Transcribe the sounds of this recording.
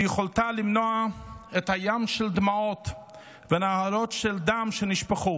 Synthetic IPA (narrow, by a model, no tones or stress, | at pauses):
jeχoltalimnoaethajamʃeld̪maot | venahaɾotʃɛldamʃeniʃpaχu